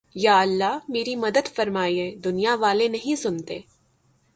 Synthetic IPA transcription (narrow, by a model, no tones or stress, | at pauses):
jaːɐlːaɦmeːɾimɐd̪əd̪fɐɾmaːiẽːd̪ʊnijaʋaːlenɐɦĩsʊnt̪eː